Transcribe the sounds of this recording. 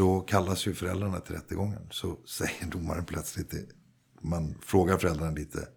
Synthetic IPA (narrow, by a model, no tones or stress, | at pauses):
ɔkʰalːasjɵfœɾɛ̰ld̪ɾaɳat̪ʰɪlɾɛt̪ːəɡɔŋːə̰nsɔsɛjːəɖʊmːa̰ɾənpʰlœt̪slɪt̪̚ɛ | manfɾoːɡaɾfœɾɛld̪ɾaɳnaliːt̪ʰə̰